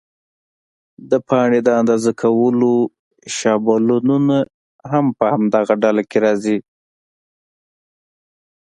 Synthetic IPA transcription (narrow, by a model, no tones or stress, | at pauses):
d̪əpʰɑɳed̪əand̪ɑzakʰawəlo | ʃɑbalununa | ɦampəhamd̪aɣaɖalakeɾɑzi